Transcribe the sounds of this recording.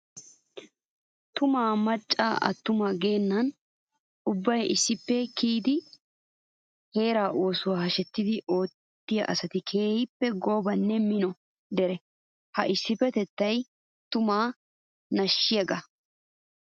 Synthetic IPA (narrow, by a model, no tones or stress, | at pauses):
t̪ʊmaːmɐt͡ʃʼːaːʔɐ̰t̪ːʊmaɡe̞ːnːɐn | ʊbːɐjɪsːɪpːɛkiːd̪ɪ | he̞ːɾaːʔo̞ːsʊwaːhɐʃɛt̪ːɪd̪ɪʔo̞ːt̪ːɪjɐ̰ʔɐsɐt̪ɪkʰeːhɪpːɛɡo̞ːbɐnːɛmɪnɔ | d̪ɛɾɛ | hɐʔɪsːɪpːɛt̪ɛt̪ːɐj | t̪ʊmaː | nɐʃːɪjɐɡɐ